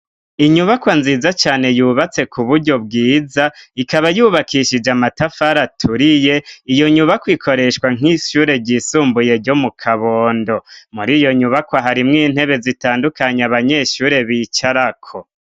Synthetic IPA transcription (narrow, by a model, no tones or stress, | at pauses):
iɲuβakwanziːzat͡ʃaːne̞juːβat͡se̞kʰuβuɾɟo̞b̚ɡiːzaikaβajuːβakʰiʃid͡ʒamatafaɾatʰuɾije̞ijo̞ɲuβakwikʰo̞ɾe̞ʃkwaŋ̥iʃuːɾe̞ɾɟisuːmbuje̞ɾɟo̞mukʰaβo̞ːndo̞muɾijo̞ɲuβakwaɦaɾimŋiːn̥he̞βe̞zitaːndukaɲeaβaɲe̞ʃuːɾe̞βit͡ʃaɾakʰo̞